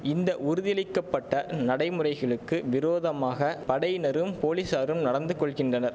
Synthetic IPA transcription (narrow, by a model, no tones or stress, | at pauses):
ɪnd̪ɐʔʊɾɯðɪjɐɭɪkːɐpːɐʈːɐnɐɽɐɪmɯrɐɪɣɐɭɯkːɯʋɪɾoːðɐmaːɣɐpɐɽɐjɪnɐɾɯmpoːlisaːɾɯmnɐɽɐnd̪ɯkːɔɭɣɪndrɐnɐɾ